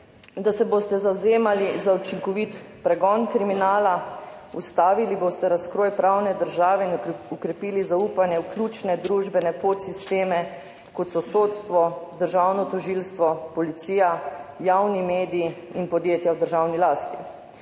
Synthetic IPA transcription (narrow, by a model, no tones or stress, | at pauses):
d̪asɛboːst̪ɛzawzeːmalizaut͡ʃiŋkɔʋit̪ | pɾɛɡɔnkɾiminaːla | ust̪aːʋiliboːst̪ɛɾaskɾoːjpɾawnɛd̪əɾʒaːʋɛinukɾɛpiːlizauːpanjɛwklʲjuːt͡ʃnɛd̪ɾuʒbɛnɛpot̪sist̪eːmɛ | kɔt̪sɔsoːt̪st̪ʋɔd̪əɾʒawnɔt̪ɔʒilst̪ʋɔpɔlit̪siːjajawnimeːd̪iiinpɔd̪jeːt̪jawd̪əɾʒawnilaːst̪i